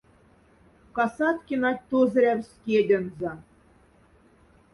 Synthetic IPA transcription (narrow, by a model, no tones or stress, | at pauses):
kɑsɑt̪kʲinɑt̚ʲt̪ozɤ̆ɾʲæwskʲed̪ʲɘ̆nzɑ